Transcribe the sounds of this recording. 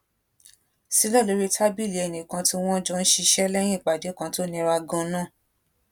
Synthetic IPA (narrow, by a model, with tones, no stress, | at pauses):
si˦lɔ˦˨lo˨˧˦ɾi˦tʰa˦bi˦˨le˨˦ɛ˨nĩ˨kã˧ti˦w̃ɔ̃˦d͡ʒɔ̃˧n̩˦ʃi˧ʃɛ˦lɛ˦j̃ĩ˦˨k͡pa˨de˨˦kã˧to˦nĩ˧ɾa˧ɡɔ̃˧˦nãː˦˨